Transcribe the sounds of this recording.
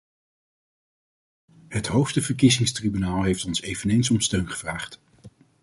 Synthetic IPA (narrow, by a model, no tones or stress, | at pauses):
ɦətɦowfstəvəɹkizɪŋstribynaːlˠɦejftɔnsejvənejnsɔmstøɥnχə̥v̥raːχt